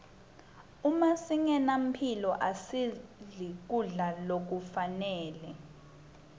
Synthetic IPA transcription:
umasiŋɛnam̩pʰilɔʔasiɮik̬uɮalok̬ufanɛːlɛ

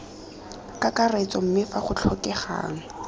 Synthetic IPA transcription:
kʼakaret͡sʼɔm̩mɪfaχʊt͡ɬʰɔkɛχa̰ːŋ̩

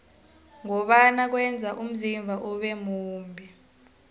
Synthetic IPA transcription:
ŋɔɓanak̬wɛnd͡zʱaʔum̩ziɱvʱaʔuɓɛmuːmbʱi

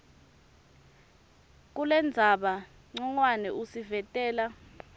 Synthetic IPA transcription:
k̬ulɛnd͡zʱaɓa | ŋ͡ǀɔŋwanɛʔusivɛtʼɛːla

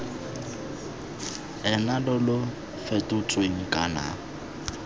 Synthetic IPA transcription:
ɛnalɔlʊ | fɛtʼʊt͡sʼweŋ̩kʼana̰ː

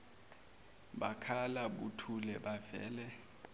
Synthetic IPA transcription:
ɓakʰalaɓutʰulɛɓavɛ̰ːlɛ

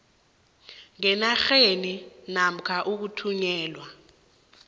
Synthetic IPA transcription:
ŋɛnaxeninam̩kʰaʔuk̬utʰuɲɛːlwa

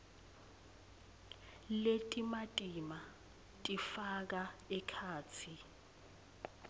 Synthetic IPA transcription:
letʼimatʼima | tʼifak̬aɛkʰaːt͡sʰi

